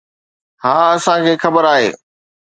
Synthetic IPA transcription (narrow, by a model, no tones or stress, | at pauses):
ɦaːɐsãkʰeːxɐbəɾaːɦḛː